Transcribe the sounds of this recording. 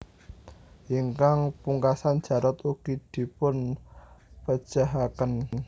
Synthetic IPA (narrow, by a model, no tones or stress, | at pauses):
iŋkaŋpuŋkasand̥d͡ʒ̥a̤ɾət̪uɡ̥id̪̥i̤pʊn | pə̥ʒ̥a̤ɦakən